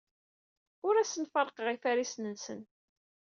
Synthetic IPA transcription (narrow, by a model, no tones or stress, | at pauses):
ʊɾæsənfəɾˤqʁifæɾisnənsə̰n